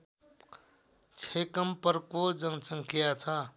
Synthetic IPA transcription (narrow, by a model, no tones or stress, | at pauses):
t͡ʃʰekəmpəɾkod͡ʒəŋsə̃ŋkʰijat͡sʰə